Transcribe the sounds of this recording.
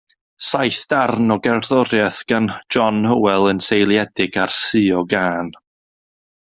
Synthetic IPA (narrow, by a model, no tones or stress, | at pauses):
sajθd̥arnɔɡɛrðɔɾjɛθɡ̥and͡ʒɔnhəwɛlˠənsejlˠjɛdɪɡ̥arsɨɔɡaːn